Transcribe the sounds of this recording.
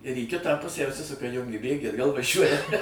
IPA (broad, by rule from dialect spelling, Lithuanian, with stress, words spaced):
ɪr iː ˈkʲɪtɑː ˈpʊsʲæː ʊʃʲˈsʲɪsʊkɐ ˈjʊŋʲɡʲɪ ˈbʲeːɡʲiː ɐdˈɡɐlˠ ʋɐˈʒʲuɔjɛ